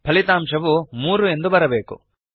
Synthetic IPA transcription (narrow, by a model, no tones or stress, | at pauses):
pʰɐlit̪aːmʂɐʋumuːɾue̞nd̪ubɐɾɐbe̞ːkṵ